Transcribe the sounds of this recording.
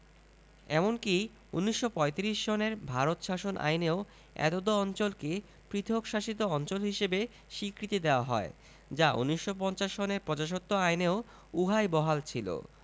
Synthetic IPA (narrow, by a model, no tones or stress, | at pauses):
ɛmonki | unːiʃːopɔet̪iɾiʃd͡ʑɔneɾbʱaɾot̪ʃaʃonʔa̰jneo | ɛ̰t̪od̪oɔnt͡ɕolke | pɾit̪ʰokʃaʃit̪̬oɔnt͡ɕolɦiʃebe | ʃikɾit̪id̪eoaɦɔ̰e | d͡ʑaṵnːiʃːopɔnt͡ɕaʃoneɾpɾɔd͡ʑaʃ̬ot̪ːoajneo | uɦajbɔɦalt͡ɕʰilo̰